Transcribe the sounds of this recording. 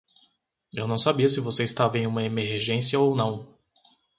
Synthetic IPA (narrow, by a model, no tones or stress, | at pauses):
ewnɐ̃w̃sabiɐsɪvoseist̪avɐẽj̃ũmɐemeɾɾʒẽsiɐownɐ̃w̃